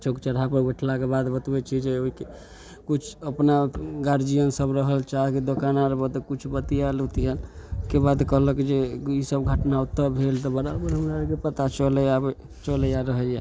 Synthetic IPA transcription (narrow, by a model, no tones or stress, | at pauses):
t͡ʃʰokt͡ʃəɾapəɾbeʈʰlakebad̪bət̪bɛt͡ʃʰid͡ʒeoike | kut͡ʃʰəpnaɡaɾd͡ʒijənsəbɾəɦəlt͡ʃaɦkid̪okanaɾbət̪kut͡ʃʰbət̪ijalut̪ijalkebad̪kəɦləked͡ʒeisəbɡʱəʈnaut̪ːəbʱelt̪ɔbəɾabəɾɦəmɾaəkepət̪at͡ʃəlɛjabe | t͡ʃələjaɾəɦəja